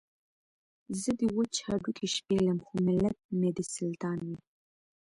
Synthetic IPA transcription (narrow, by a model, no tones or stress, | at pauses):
zəd̪əwət͡ʃʰaɖukʰiʃpeləmxomɪlat̪̚med̪isɪlt̪ɑːnwi